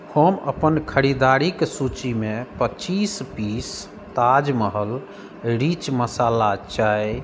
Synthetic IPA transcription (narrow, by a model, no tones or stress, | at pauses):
həmə̰pənkʰəɾid̪aɾiksut͡ʃimepət͡ʃispis | t̪ad͡ʒməɦəl | ɾit͡ʃməsalat͡ʃaj